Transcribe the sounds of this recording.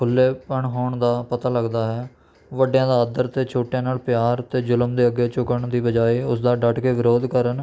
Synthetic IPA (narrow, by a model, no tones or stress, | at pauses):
kʰʊlːeːpəɳɦoːɳd̪aːpət̪aːləɡd̪aːɦɛː | ʋəɖjãːd̪aːəd̪əɾt̪eːt͡ʃʰoːʈjãːnaːlpjaːɾt̪eːd͡ʒʊləmd̪eːəɡːeːt͡ʃʊkəɳd̪iːbəd͡ʒaːiːʊsd̪aːɖəʈkeːʋɪɾoːd̪kəɾən